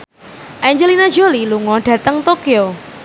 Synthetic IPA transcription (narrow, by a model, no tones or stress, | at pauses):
ʔaɲd͡ʒəlinḁd͡ʒoliluŋɔɖ̥ä̤t̪əŋt̪okio